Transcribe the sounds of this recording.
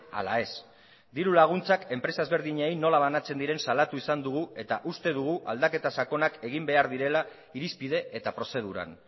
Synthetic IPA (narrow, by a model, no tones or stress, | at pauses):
a̰lae̞s | d̪iɾulaɣ̞unt͡sake̞mpɾe̞sae̞zβe̞ɾðiɲejno̞laβanat͡se̞nd̪iɾe̞nsalat̪uisand̪uɣ̞ue̞t̪aʔust̪e̞ðuɣ̞uʔald̪ake̞t̪asako̞nake̞ɣ̞imbe̞aɾðiɾe̞la | iɾispið̞e̞et̪apɾo̞se̞ð̞uɾa̰n